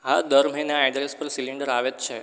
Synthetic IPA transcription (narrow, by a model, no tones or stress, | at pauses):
ɦad̪əɾm̤enjaɛɖɾespəɾsiliɳɖəɾaʋet̪t͡ʃʰe